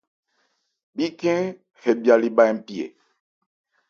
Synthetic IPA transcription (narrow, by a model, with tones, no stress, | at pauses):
bi˦kɛ̃˦ | hɛ˨bja˨li˦ɓa˦ɛ˦m̩˦pi˦˨ḛ˨